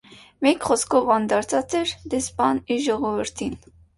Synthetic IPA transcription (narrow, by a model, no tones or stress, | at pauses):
mɛkχɔskʰɔvɑnd̪ɑɾt͡sʰɑt͡sɛɾd̪ɛspɑniʒɔʁɔvəɾt̪ʰin